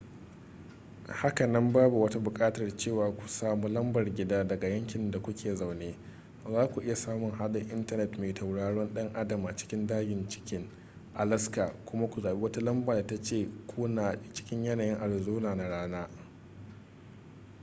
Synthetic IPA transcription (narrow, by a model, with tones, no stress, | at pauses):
ha˦ka˨nɐ˦mbaː˦bu˨wɐ˦ta˦bʊ˨kʼaː˦tɐ˨rt͡ʃeː˦˨waː˨kʷu̥˨saː˦mu˦lɐ˦mbɐ˨rɡʲɪ˦daː˦dɐ˨ɡa˨jɐ˦ŋkʲɪ˨nda˨kʷʊ˦kʲʰeː˨za˨wneː˦ | zaː˦kʷu˨ʔɪ˦ja˨saː˦mʊ˨ŋɦa˦ɗɪ˨ŋʔɪ˦ntɐ˨nɛ˨tmeː˨tʰa˨wɽaː˦ɽɔ˦nɗɐ˦ŋʔa˦dɐ˨maː˨t͡ʃɪ̥˦kʲɪ˦ndaː˦ɡʲɪ˨nt͡ʃɪ̥˦kʲɪ˦ŋ | ʔa˨lɐ˦skaː˨kʷʊ˦ma˦kʷu˨zaː˨be˦wɐ˦ta˦lɐ˦mbaː˨da˨ta˦t͡ʃeː˦˨kʷuː˦naː˨t͡ʃɪ̥˦kʲɪ˦ɲjɐ˦naː˨jɪ˦ŋʔa˨ɽɪ˨zuː˦naː˨na˨ɽaː˦naː˦